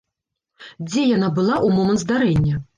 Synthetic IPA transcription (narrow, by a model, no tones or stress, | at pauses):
d͡zʲɛjanabɨlˠaʔumɔmɛɐnt̪zd̪aɾɛnʲːɐ